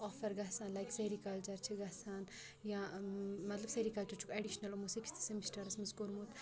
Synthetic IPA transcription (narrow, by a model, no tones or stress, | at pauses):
ɔfɐɾɡɐsaːnlajkseɾikɐlt͡ʃɐɾt͡ʃʰiɡɐsaːn | jãmɐt̪lɐbseɾikɐlt͡ʃɐɾt͡ʃʰukɐɖiʃnɐlumusikst̪ʰi̥sɐmisʈɐɾɐsmɐskuɾmut̪